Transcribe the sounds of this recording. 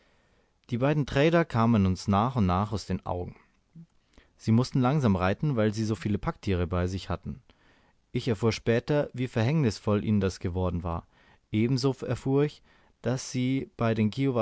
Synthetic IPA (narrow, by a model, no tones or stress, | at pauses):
d̥iːbaɪdn̩tʁ̥ɛːdɐkʰaːmənʊnsnaːχʊntnaːχaʊsd̥eːnʔa̰ʊɡŋ̩ | z̥iːmʊstn̩laŋzaːmʁaɪtn̩vaɪlziːzoːfiːləpʰak̚tʰiːʁ̞əbaɪzɪçhatn̩ | ʔɪçɛɐfuːɐʃpɛːtɐviːfɛɐɦɛŋnɪsfɔlʔḭːnəndasɡ̥əvɔɐdn̩va̰ːɐ | ʔeːbm̩zoːɛɐfuːɐɪç | d̥asz̥iːb̥aɪɾeːnkʰiːova